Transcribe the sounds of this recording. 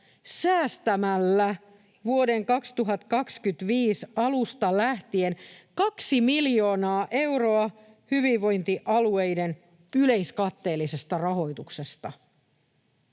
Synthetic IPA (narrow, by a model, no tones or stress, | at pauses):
sæːst̪æmælːæ | ʋuo̞de̞ŋkɑkst̪uɦɑt̪kɑkskyt̪ʋiːsɑlust̪ɑlæht̪ienkɑksimiljo̞ːnɑːʔe̞wro̞ɑ | hyʋiʋo̞jnt̪iʔɑluejde̞n | yle̞jskɑt̪ːe̞ːlːise̞st̪ɑrɑɦo̞jt̪ukse̞st̪ɑ